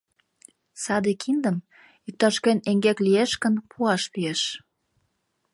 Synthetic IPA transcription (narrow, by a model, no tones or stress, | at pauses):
sɑd̪ekʰind̪əm | yk̚t̪ːɑʃkeneŋɡeklieʃkə̆npʰuɑʃpieʃ